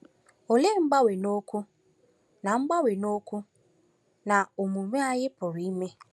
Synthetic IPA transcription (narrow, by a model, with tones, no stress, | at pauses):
o˨le˦˨ŋ͡m̩˦ɡ͡ba˦we˨no˦ku˦ | na˨ŋ͡m̩˦ɡ͡ba˦we˨no˦kʷu˦ | na˨o˨mu˨me˦a˦jɪ˦pʊ˨ɾi˨i˦me˦